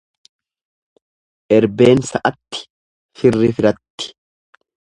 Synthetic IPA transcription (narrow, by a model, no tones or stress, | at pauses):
ʔɛɾbe̞ːnsɐʔɐt̪ːɪ̥ | fɪrːɪfɪɾɐt̪ːɪ̥